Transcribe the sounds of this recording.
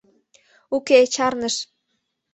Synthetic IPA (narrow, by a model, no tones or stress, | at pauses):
uket͡ɕɑrnəʃ